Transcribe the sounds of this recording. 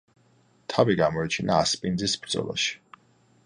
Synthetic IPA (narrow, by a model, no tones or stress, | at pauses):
t̪ʰaviɡamɔit͡ʃʰinaːspʼind̪zisbɾd̪zʼɔ̰lˠa̰ʃi̥